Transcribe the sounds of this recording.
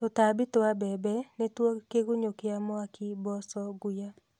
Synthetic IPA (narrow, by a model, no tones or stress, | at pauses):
tɔtabɪtʊabɛbɛnɪtwokeɡʊɲokɪamɔakʰɪbɔsɔɡuja